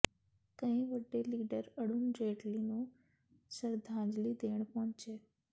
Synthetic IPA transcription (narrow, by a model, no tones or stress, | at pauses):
kə̃j̃ʋəɖːeliɖəɾəɽund͡ʒeʈlinũ | səɾd̪ʱãd͡ʒlid̪eɳ̃pɔɔ̃t͡ʃe